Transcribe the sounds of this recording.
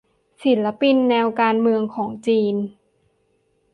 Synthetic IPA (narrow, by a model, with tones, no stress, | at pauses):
si˩˦nla˧˥pi˧nːɛː˧wkaː˧nmɯ˧əŋkʰɔː˩˦ŋt͡ɕiː˧n